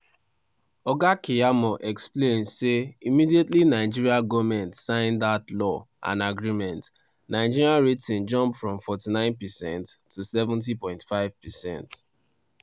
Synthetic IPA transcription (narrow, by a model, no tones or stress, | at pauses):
ɔɡakʰijamɔʔɛksplẽnseimidietlinaɪd͡ʒiɹiaɡɔmɛ̃ntsãɪ̃ndatlɔ | ʔã̰naɡɹimɛ̃nt | nãɪd͡ʒiɹiaɹetĩnd͡ʒɔ̃mpfɹɔ̃mfɔtinãɪ̃npɛsɛ̃ntʰːusɛvũnt̬ipɔ̃ɪ̃ntfaɪv̥pɛsɛ̰̃nt